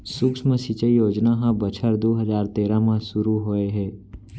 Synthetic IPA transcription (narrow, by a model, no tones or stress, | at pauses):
sʊksmẽsit͡ʃəijoːd͡ʒnaɦãbɐt͡ʃʰəɾd̪oːɦɐzaːɾt̪eːɾãmãsʊɾuɦoeɦɛː